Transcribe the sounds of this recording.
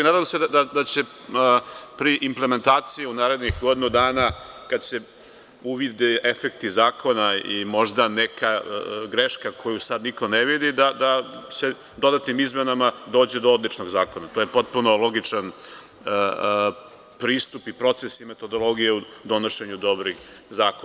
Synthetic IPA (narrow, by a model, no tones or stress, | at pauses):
naːd̪amsed̪ad̪ad̪at͡ɕe̞ | pɾiʔimpleme̞nt̪aːt̪sijiunaːɾe̞d̪nixɡo̞d̪inud̪aːnakad̪se̞ | uʋid̪eefekt̪izaːko̞naimo̞ʒd̪anekʰaɡɾeʃkakʰo̞jusad̪niko̞neʋid̪id̪ad̪ase̞ | d̪o̞d̪at̪nimizmenamad̪o̞ːd͡ʑed̪ood̪lit͡ʃnoɡzaːko̞nat̪ojepo̞t̪̚puno̞lˠo̞ɡit͡ʂan | pɾiːst̪upipɾo̞t̪se̞sime̞t̪o̞d̪o̞lˠo̞ɡijeud̪o̞no̞ʃe̞ɲud̪o̞bɾix | zaːko